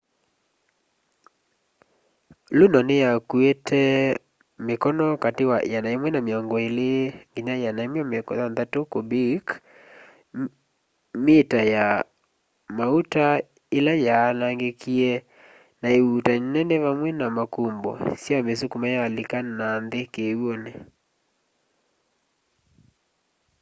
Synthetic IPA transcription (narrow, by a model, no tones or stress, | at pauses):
lunɔnejakuetʰɛ | mekɔnɔkatewaʔanaemwɛnameɔŋɡɔeleŋɡiɲajanaemwɛamekɔ̰ðanðatokobik | metaja | mauta | elajanaŋɡekiɛ | naeutanɛnɛβamwɛnamakumbɔ̰siamesukumajalikananðekewɔnɛ